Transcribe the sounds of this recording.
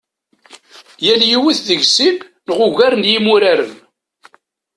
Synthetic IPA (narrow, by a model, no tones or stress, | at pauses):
jæljiwiθðəʝsimnəʁʊʝæɾnjimuɾaɾə̰n